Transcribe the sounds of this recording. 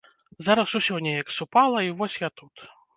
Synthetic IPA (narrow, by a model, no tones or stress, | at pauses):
zaɾɐsusʲɔwnʲɛjɐksupalˠɐivɔsʲjat̪ut̪